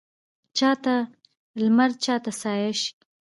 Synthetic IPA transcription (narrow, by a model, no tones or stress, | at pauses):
t͡ʃɑt̪a | lmaɾ̚t͡ʃɑt̪asɑjɪʃ